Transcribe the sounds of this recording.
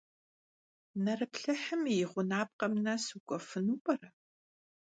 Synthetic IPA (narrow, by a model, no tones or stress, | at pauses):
nɐrɨpɬɐħɨmjɪʁʷʊnaːp̚qɐmnɐsuɡʷʼɔfɨnuːpʼɐrɐ